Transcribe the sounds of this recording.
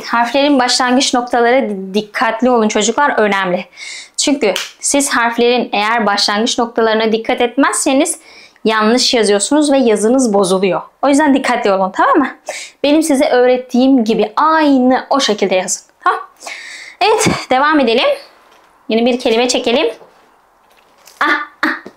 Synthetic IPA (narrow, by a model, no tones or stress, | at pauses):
haɾflʲe̞ɾinbaʃlˠanɡɯt͡ʃno̞k̚t̪ʰalˠaɾɯd̪ikʰːat̪ʰlʲio̞lˠunt͡ʃʰo̞d͡ʒuklˠaɾø̞næmlʲɪt͡ʃʰyɲcysiz̥ɦaɾflʲe̞ɾinejæɾbaʃlˠanɡɯt͡ʃno̞k̚t̪ʰalˠaɾɯnad̪ikʰːat̪ɛt̪̚mæzse̞niz̥janˠlˠɯʃjazɯjo̞sunuzvɛjazɯnɯzbo̞zulˠujo̞o̞jyzd̪ænd̪ikʰːat̪lʲio̞lˠunt̪ʰamaːmɯbe̞nimsizɛʔø̞ːɾɛt̪ʰːiːmɟibiajnɯʔo̞ʃecʰilʲd̪ɛjazɯ̥nt̪ʰamam | evɛt̪d̪e̞vaːme̞d̪elʲim | jinɛbiɾcʰe̞lʲimɛt͡ʃʰe̞ce̞lʲim | a